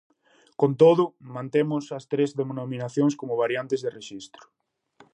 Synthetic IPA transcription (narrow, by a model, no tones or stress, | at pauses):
kont̪oðʊmãnt̪emʊsɐst̪ɾezðemnominaθjoŋskomʊβaɾjant̪ezðereʃist̪ɾʊ̥